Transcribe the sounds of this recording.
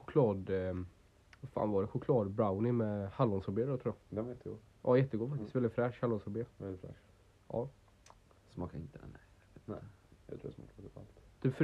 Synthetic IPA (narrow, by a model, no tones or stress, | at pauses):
xʊkʰlɑːd̪ | vafa̰ːnvɑɖɛɧʊkʰlɑːd̪bɾawnɪmɛhalːɔnsɔɾbeːɾɔt̪ʰɾuːjɑd̪ɛjɛt̪ːəɡu | ʔɑ̰ːjɛt̪ːəɡuːfakt̪ɪst̪vɛld̪ɪt̪fɾɛʂhalːɔnsɔɾbeːɛlːɪt̪fɾɛ̰ | ʔɑ̰ː | smɑːkaɪnt̪əɛnɛvt̪ɛjɑ̰t̪ʰɾuːɾ̰smɑ̰ːkd̪ka̰lt̪d̪̥ɵf